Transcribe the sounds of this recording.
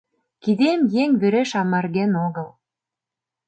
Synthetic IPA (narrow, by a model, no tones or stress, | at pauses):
kid̪emjeŋβeɾeʃɑmɑrɣenoɣəl